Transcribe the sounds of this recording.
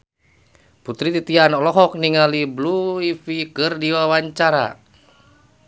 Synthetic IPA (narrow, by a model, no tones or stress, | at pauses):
put̪ɾit̪it̪ianɔlɔɦɔk̚niŋalibluifikɨrdiwawaɲt͡ʃaɾa̰